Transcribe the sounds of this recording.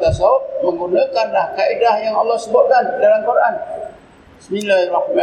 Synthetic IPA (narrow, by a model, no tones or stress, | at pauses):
t̪as̬aməŋɡunakanlahkaidahjaŋɑlːɔhsəbʊt̪̚kandalamkuɾʔan | səmilaɾɔhmã